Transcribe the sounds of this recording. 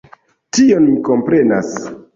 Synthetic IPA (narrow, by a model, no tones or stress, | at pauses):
tio̞nmiko̞mpɾe̞na̰s